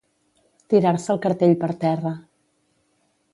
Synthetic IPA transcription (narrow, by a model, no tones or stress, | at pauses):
t̪iɾaɾsəlˠkəɾt̪eʎpəɾt̪ɛrə